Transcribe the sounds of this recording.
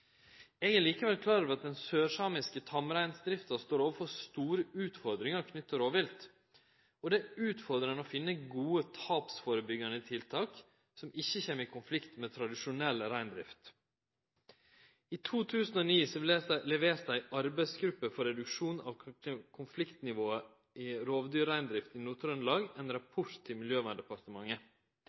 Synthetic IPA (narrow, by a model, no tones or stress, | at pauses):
ɛɡæɾliːkəʋɛlkʰlɑːɾʋɑt̪̚d̪ɛnsøːʂɑːmɪskət̪ʰɑmɾæɪnsd̪ɾɪft̪ɑst̪oːɾoːʋəfɔɾst̪uːɾəʉːt̪fɔɾd̪ɾɪŋɑɾkʰnʏt̪ːəɾoːʋɪlt̪ | ɔd̪ɛʉːt̪fɔɾd̪ɾənɔfɪnːəɡuːət̪ʰɑːpsfoːɾəbʏɡɑnəɪt̪ʰɪlt̪ʰɑːk | sɔmɪçːəçeːmːəɾiːkʰʊnflɪkt̪mɛt̪ʰɾɑd̪ɪʂʊnɛlːəɾæɪnd̪ɾɪ̰ft̪ | iːt̪ʰuːt̪ʰʉːsnoːniːsɔleːælɛʋeːɾæɪɑɾbæɪsɡɾʉpːəfɔɾɛd̪ʉkʂuːnɑ̰ːʋkʰʊnflɪkt̪nɪʋoːə | ɪɾoːʋd̪yːɾæɪnd̪ɾɪft̪ɪnuːt̪ɾœnlɑːɡɛɪnɾɑpʰʊʈt̪ʰːɪlmɪljøːʋænd̪ɛpɑɾt̪əmɑŋːə